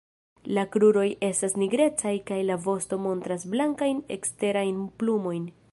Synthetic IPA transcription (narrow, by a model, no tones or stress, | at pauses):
lakɾuɾo̞je̞stasniɡɾe̞t͡sajkajlavo̞sto̞mo̞ntɾasblaŋkajne̞̰kste̞ɾajnplumo̞jn